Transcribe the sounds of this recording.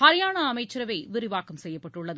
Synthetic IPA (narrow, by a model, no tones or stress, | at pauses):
hɐɾɪjaːɳɐːmɐɪt͡ʃːɪɾɐʋɐɪʋɪɾɪʋaːkɐmsɛjːɐpːɐʈːɯɭːɐð